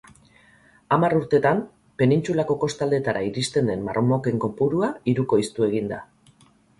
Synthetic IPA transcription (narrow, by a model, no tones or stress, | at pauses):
amaruɾt̪e̞t̪am | pe̞nint͡sulako̞ko̞st̪ald̪e̞t̪aɾaiɾist̪e̞nd̪e̞mmaromo̞ke̞ŋko̞puɾuaiɾuko̞ist̪ue̞ɣ̞ind̪a